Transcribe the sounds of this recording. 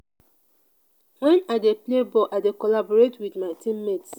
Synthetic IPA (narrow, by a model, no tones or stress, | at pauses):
wɛ̃nadeplebɔʔadekɔlabɔɹetwidmaɪtĩmːet